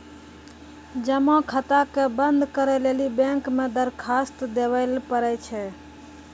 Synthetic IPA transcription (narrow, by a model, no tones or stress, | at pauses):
d͡ʒəmɔ̃kʰət̪akebənd̪ʱkəɾɛlelibɛ̃ŋkmẽd̪əɾkʰast̪d̪eʋəlpəɾɛt͡ʃʰɛ